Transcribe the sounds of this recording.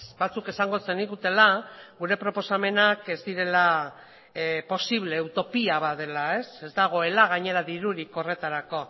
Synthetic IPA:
bat͡suke̞saŋɡo̞t͡se̞niɣut̪e̞laɣuɾe̞pɾo̞po̞same̞nake̞zd̪iɾe̞la | po̞siβ̞le̞ːwt̪o̞piaβaðe̞lae̞se̞zd̪aɣ̞o̞e̞laɣ̞aɲe̞ɾaðiɾuɾiko̞re̞t̪aɾako̞

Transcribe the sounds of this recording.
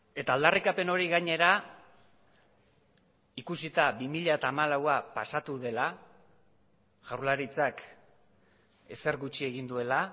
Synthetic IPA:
e̞t̪aːld̪arikape̞no̞ɾiɣaɲe̞ɾa | ikusit̪aβimiʎaet̪aːmalawapasat̪uðe̞la | ʝawlaɾit͡sak | e̞se̞ɾɣut͡ʃie̞ɣind̪ue̞la

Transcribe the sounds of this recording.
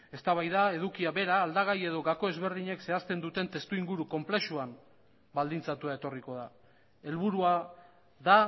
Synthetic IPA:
e̞st̪aβajðae̞ð̞ukiaβe̞ɾaːld̪aɣ̞aje̞ðo̞ɣako̞e̞zβe̞ɾðiɲe̞kse̞ast̪e̞nd̪ut̪e̞nt̪e̞st̪uiŋɡuɾuko̞mple̞ʃuam | bald̪int͡sat̪uae̞t̪o̞riko̞ða | e̞lβuɾua | ða

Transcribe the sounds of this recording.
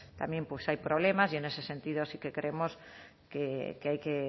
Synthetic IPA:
t̪amjẽmpwesajpɾoβ̞lemasienesesent̪iðosikekɾemos | kekeajke

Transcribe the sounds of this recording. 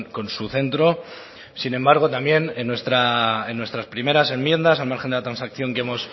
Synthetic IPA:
nko̞nsuθe̞nt̪ɾo̞ | sinẽ̞mbaɾɣ̞o̞t̪ambje̞nenːwe̞st̪ɾaenːwe̞st̪ɾaspɾime̞ɾase̞mmje̞nd̪asalmaɾxend̪elat̪ɾansakθjo̞ŋkeemo̞s

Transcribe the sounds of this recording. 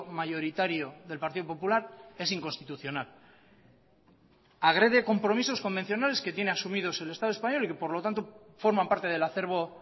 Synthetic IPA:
maʝo̞ɾit̪aɾjo̞ðe̞lpaɾt̪iðo̞po̞pulaɾe̞siŋko̞nst̪it̪uθjo̞nal | aɣ̞ɾe̞ð̞e̞ko̞mpɾo̞miso̞sko̞mbe̞n̟θjo̞nale̞ske̞t̪je̞ne̞asumið̞o̞se̞le̞st̪að̞oespaɲo̞like̞po̞ɾlo̞t̪ant̪o̞ | fo̞ɾmampaɾt̪e̞ð̞e̞laθe̞ɾβ̞o̞

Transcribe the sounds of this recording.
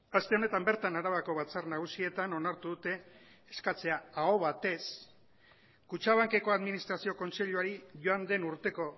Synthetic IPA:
ast̪e̞o̞ne̞t̪ambe̞ɾt̪anaɾaβako̞βat͡sarnaɣ̞usie̞t̪ano̞naɾt̪uðut̪e̞ː | skat͡se̞aaoβat̪e̞s | kut͡ʃaβ̞aŋke̞ko̞aðminist̪ɾasio̞ko̞nse̞ʎuaɾiʝo̞and̪e̞nuɾt̪e̞ko̞

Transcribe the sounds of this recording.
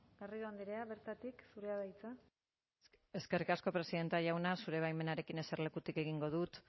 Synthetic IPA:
eriðoand̪iɾe̞aβeɾt̪at̪iksuɾe̞aðajt͡sa | e̞ske̞rikasko̞pɾe̞siðe̞nt̪eaʝawnasuɾe̞βajme̞naɾe̞kine̞seɾle̞kut̪ike̞ɣ̞iŋɡo̞ð̞ut̪

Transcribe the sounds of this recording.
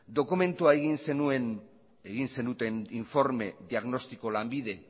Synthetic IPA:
d̪o̞kume̞nt̪uae̞ɣinse̞nue̞n | eɣinse̞nd̪ut̪e̞niɱfo̞ɾme̞ðiaɣno̞st̪iko̞lambiðe̞

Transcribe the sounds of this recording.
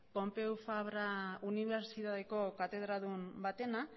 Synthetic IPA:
po̞mpe̞ufaβɾauniβ̞e̞ɾsit̪aðeko̞kat̪e̞ð̞ɾaðumbat̪e̞na

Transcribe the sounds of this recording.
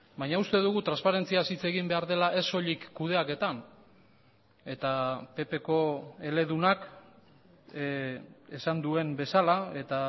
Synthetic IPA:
bajɲaust̪e̞ðuɣut̪ɾanspaɾe̞nt͡siasit͡se̞ɣimbe̞aɾðe̞laʔe̞so̞ʎikːuð̞e̞ake̞t̪an | e̞t̪ape̞pe̞ko̞e̞le̞ðunak | e̞sand̪ue̞mbe̞salae̞t̪a

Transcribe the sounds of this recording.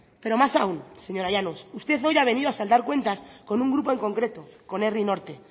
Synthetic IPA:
pe̞ɾo̞masaunseɲo̞ɾajanosust̪e̞θo̞jaβ̞e̞niðoasald̪aɾkwe̞nt̪asko̞nũŋɡɾupo̞e̞ŋko̞ŋkɾe̞t̪o̞ko̞ne̞rino̞ɾt̪e

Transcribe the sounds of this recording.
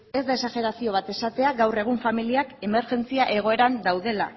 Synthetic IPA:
e̞zd̪ae̞saʝe̞ɾasio̞β̞at̪e̞sat̪e̞aɡawre̞ɣ̞uɱfamiliake̞me̞ɾʝe̞nt͡siaʔe̞ɣ̞o̞e̞ɾand̪awðe̞la

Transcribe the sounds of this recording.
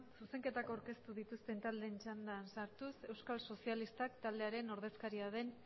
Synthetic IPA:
suse̞ŋke̞t̪ako̞awɾke̞st̪uðit̪ust̪e̞nt̪ald̪e̞ːnt͡ʃand̪ansaɾt̪use̞wskalso̞sialist̪akt̪ald̪e̞aɾe̞no̞ɾð̞e̞skaɾiaðe̞n

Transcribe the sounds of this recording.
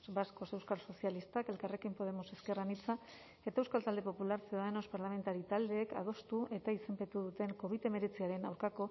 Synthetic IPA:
basko̞se̞wskalso̞sialist̪ake̞lkare̞kimpo̞ð̞e̞mo̞se̞ske̞ranit͡sa | e̞t̪aewskalt̪ald̪e̞po̞pulaɾseoðano̞spaɾlame̞nt̪aɾit̪ald̪e̞ːka̰ð̞o̞st̪uʔe̞t̪aise̞mpe̞t̪uðut̪e̞ŋko̞β̞it̪e̞me̞ɾet͡siaɾe̞nawɾkako̞

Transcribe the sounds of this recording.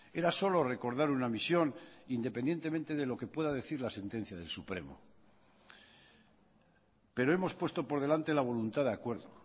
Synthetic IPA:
e̞ɾaso̞lore̞ko̞ɾðaɾunamisjo̞nind̪epe̞nd̪je̞nt̪e̞ment̪e̞ðe̞lo̞ke̞pwe̞ðaðe̞θiɾlase̞nt̪e̞n̟θjað̞e̞̰lsupɾe̞̰mo̰ | pe̞ɾo̞emo̞spwe̞st̪o̞po̞ɾðe̞lant̪e̞laβ̞o̞lunt̪aðeakwe̞ɾðo

